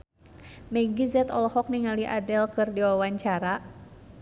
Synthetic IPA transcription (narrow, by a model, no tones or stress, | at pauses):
mɛɡizɛt̪ɔlɔhɔk̚niŋaliʔadɛlkɨrdiwawaɲt͡ʃaɾa